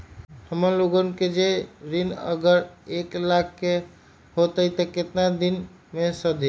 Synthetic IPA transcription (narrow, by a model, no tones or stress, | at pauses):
həməɾloɡənked͡ʒeɾinə̰ɡəɾeklakʰːe | hot̪əjt̪əket̪nad̪in | mesəd̪ʱi